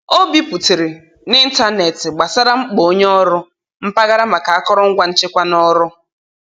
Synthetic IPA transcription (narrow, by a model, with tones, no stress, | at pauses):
o˦bi˦pu˨te˨ɾɪ˨ | nɪ˦n̩˦ta˦ne˨tɪ˨ɡ͡ba˨sa˦ɾa˦ŋ͡m̩˦k͡po˨o˦ɲ˦ɔ˦ɾʊ˦ | m̩˦pa˦ɣa˦ɾa˦ma˨ka˨a˦kɔ˦ɾɔ˦ŋ̩˦ɡʷa˦n̩˦t͡ʃɪ˦kʷa˦nɔ˦ɾʊ˦